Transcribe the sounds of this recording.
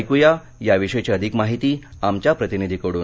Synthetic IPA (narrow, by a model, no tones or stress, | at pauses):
jkuja | jaʋiʂet͡ɕiəd̪ʱikmaɦit̪iːamt͡ɕjapɾət̪inid̪ʱikəɽuː